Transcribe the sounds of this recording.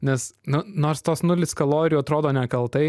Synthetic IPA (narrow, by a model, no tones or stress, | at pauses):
nʲɛsnʊnoːɾst̪oːsnʊlʲɪskɐlˠoːɾʲɪjuɐt̪ɾoːd̪oːnʲɛkɐlˠt̪ɐɪ